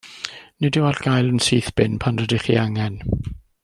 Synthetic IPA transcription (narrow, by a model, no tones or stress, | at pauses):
nɪdɪwalɡ̥ajlˠənsiːθb̥ɪnpʰanrədɪχḭaŋɛn